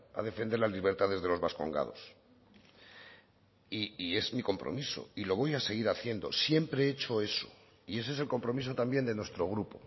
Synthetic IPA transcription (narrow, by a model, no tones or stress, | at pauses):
a̰ðe̞fend̪e̞ɾlazliβ̞e̞ɾt̪að̞e̞zð̞e̞lo̞zβasko̞̰ŋɡa̰ðos | iie̞zmiko̞mpɾo̰miso̞̰ilo̞β̞o̞jase̞ɣ̞iɾaθje̞nd̪o̞̰sje̞mpɾe̞et͡ʃo̞e̞so | ie̞s̬e̞selko̞mpɾo̞mis̬o̞t̪ambje̞nd̪enwe̞st̪ɾo̞ɣ̞ɾupo